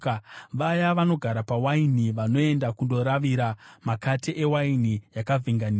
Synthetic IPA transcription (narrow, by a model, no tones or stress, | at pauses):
ʋajaʋano̞ɡʱaɾapawainiʋano̞e̞ndakundo̞ɾaʋiɾamakatiʔewainijakavʱiŋɡaniː